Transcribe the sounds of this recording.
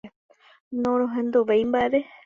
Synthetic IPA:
nõɾ̃õɦẽnd̪uʋejmbaʔeɾe

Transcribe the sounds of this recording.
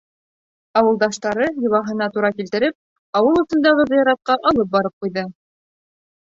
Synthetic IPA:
ɑwɤ̆lˠd̪ɑʃt̪ɑɾɤjɤ̆βɑɦɤ̆nɑt̪uɾɑkilt̪ɘ̆ɾɘp̚ | ɑwɤlˠɤ̆sɤ̆nd̪ɑʁɤðɤjɑɾɑt̪̚qɑʔɑlˠɤp̚bɑɾɤp̚qujðɤ

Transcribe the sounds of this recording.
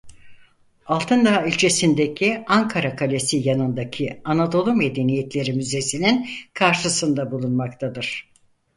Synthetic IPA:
alˠt̪ʰɯnd̪aːylʲt͡ʃʰesind̪e̞cʰiaŋkʰaɾakʰalʲesijanɯnd̪acʰianad̪o̞lˠume̞d̪e̞nijet̪lʲe̞ɾimyze̞sininkʰaɾʃɯsɯnd̪abulˠunmakt̪ʰad̪ɯɾ̥

